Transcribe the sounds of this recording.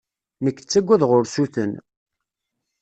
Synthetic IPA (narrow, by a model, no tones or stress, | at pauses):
nəkːt͡sːæɡʷːæðʁʊɾsuθən